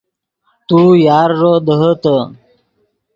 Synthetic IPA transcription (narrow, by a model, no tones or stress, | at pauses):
t̪ujaːɾːod̪əɦət̪ə